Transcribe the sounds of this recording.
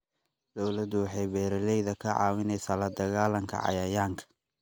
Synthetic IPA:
d̪̥ɔwlɐd̪ʊwɑħɑjbɛːɾɐlɛjðɐkʰɐʕɑ̰ːwɪnɛjsaːlɐd̪ɐɣaːlɐŋkʰɐ̰ʕɑ̰jɐjaːŋkʰɐ̥

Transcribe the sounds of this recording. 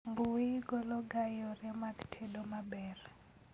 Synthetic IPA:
mbuwiɡɔlɔɡajɔrɛmaktʰɛdɔmabɛr

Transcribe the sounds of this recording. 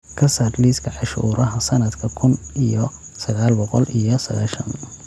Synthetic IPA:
kʰɐsad̪liskʰɐʕɑʃuːɾɐɦɐsɐnɐd̪kʰɐkʰʊnijɔ | sɐɣaːlbɔqɔlʔijɔsɐɣaːʃɐ̰n

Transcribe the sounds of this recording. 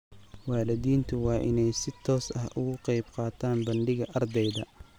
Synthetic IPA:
wɑːlɪðiːnt̪ʰʊwɑːʔɪnɛjsɪt̪ʰɔːsɐɦʊɣʊqɑjbqɑːt̪ʰaːnbɐɳɖɪɣɐʔɐrd̪ɛjðɐ̰

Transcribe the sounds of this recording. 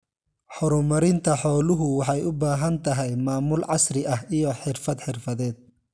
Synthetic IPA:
ħɔɾʊmɐɾɪnt̪ʰɐħɔːlʊɦʊwɑħɑjʊbaːɦɐnt̪ʰɐɦɛjmaːmʊlʕɑsrɪʔɐhijɔħɪrfɐd̪ħɪrfɐðɛːd̪̚

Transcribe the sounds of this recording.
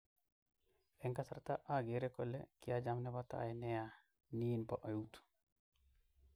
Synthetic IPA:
ɛŋkasaɾt̪aʔaɡeɾɛkɔlɛkijad͡ʒamnɛbat̪a̰ʔjnɛja | niːnpɔʔɔjut̪u̥

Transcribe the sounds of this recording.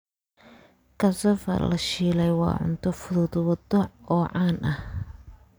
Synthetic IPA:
kʰɐsɐfɐ̰rlɐʃiːlɛjwɑ̰ːʕʊ̰nt̪ʰɔfʊðʊːðwɔd̪ɔɔːʕɑːnɐh

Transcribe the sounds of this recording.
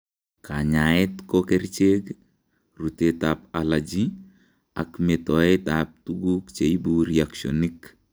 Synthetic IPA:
kʰaɲaɛtkɔkɛrt͡ʃek | rutetapalad͡ʒi | a̰kmɛtɔɛtap̚tuɡukt͡ʃeibuɾiaksɔnik

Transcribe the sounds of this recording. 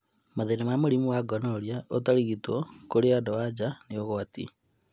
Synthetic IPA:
maðenemamuɾimuwaɡonoɾjaotaliɣitokoleadowad͡ʒanioɣoatḭ

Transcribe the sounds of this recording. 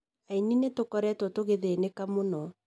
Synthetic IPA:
aininetokɔɾɛtɔtoɣeðenekamonɔ

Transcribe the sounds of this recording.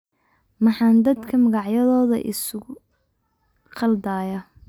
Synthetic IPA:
mɑħɑːnd̪ɐd̪kʰɐmɐɣɑʕjɐðɔːðɐ̰ʔɪ̰sʊʊ | qɑld̪aːjɐ

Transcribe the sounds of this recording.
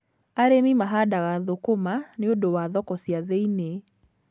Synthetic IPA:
aɾemimaɦadaɣaðokomaneondowaðɔkɔsiaðeine

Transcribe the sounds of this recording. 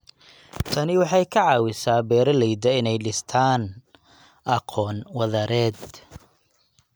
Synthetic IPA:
t̪ʰɐnɪwɑħɑjkʰɐʕɑːwɪsaːbɛːɾɐlɛjd̪ɐɪnɛjɖɪst̪ʰaːn | ʔɐqʰɔːnwɐðɐɾɛːd̪

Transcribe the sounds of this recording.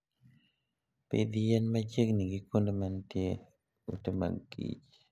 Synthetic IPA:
pḛd̪ijɛnmad͡ʒekniɡikondomantje | utema̰ɡḭt͡ʃ

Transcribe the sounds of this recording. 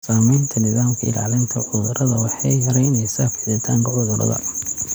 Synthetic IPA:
saːmɛjnt̪ʰɐnɪðaːmkʰɐɪ̰la̰ːlɪnt̪ʰɐʕʊðʊɾɐðɐwɑħɑjhɐɾɛjnɛjsaːfɪʕdɐt̪ʰaːŋkʰɐʕʊðʊɾɐ̰ðɐ̰

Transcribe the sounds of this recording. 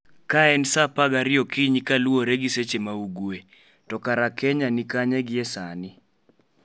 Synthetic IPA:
kaɛnsapaɡaɾɪɔkiɲikaluoɾeɡiset͡ʃemauɡwe | tɔkaɾakɛɲanikaɲɛɡɪɛsanɪ

